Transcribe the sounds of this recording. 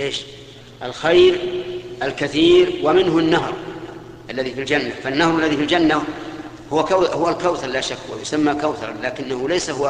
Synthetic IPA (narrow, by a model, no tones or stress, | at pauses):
ʔeːʃ | ʔalxajɾʔalkaθiːɾwamɪnɦanːaɦɾˤ | ʔalːaðifild͡ʒanːafanːahɾˤalːaðifild͡ʒanːa | hʊwkahʊwalkawθɑɾˤlaːʃakːwa̰jʊsamːakawθɑɾˤɑ̰laːkɪnːahʊlajsahʊwa